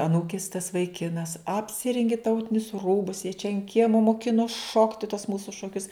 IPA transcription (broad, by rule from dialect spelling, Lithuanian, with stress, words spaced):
ɐˈnuːkʲɪs tɐs ʋɐɪˈkʲɪnɐs ɐpʲˈsʲɪrʲɛŋʲɡʲɪ ˈtɐʊtʲɪnʲʊs ˈruːbʊs jiɛ t͡ʃʲɛ ɐn kʲiɛmɐ moːˈkʲɪnoːs ˈʃoːktʲɪ tuɔs ˈmuːsʊ ʃoːˈkʲʊs